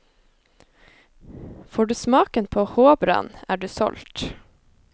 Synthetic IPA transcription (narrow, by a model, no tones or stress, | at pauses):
foːɖʉːsmɑːkənpʰoːhoːbɾɑ̰ːnæ̰ːɖʉːsɔ̰lt̪